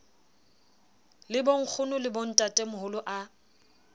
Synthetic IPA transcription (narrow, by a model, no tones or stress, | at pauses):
lɪboŋ̩k͡xʰʊnʊlɪbon̩tʼatʼɛmʊhʊlʊʔa